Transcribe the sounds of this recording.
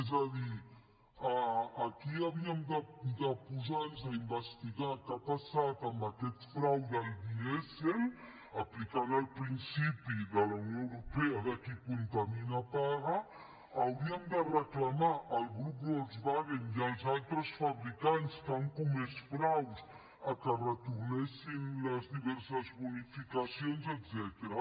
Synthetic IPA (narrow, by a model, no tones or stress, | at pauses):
ezad̪i | aakiabiamid̪ad̪apuzanzaimbast̪iɡakat̪asat̪amakɛt̪i̥fɾawd̪aldiɛsel | aplikanalpɾinsipid̪alaunõewɾopead̪akipunt̪aminapaɾɐː | ɐwɾiəmd̪ərəklamaʔːlɡɾuplɔzbaɣenjalˠzalt̪ɾəsfaβɾikanskaŋkumɛsfɾaws | akərət̪uɾnɛsinləzd̪iβɛɾsəzbunifikasjonzɛt̪zɛt̪eɾa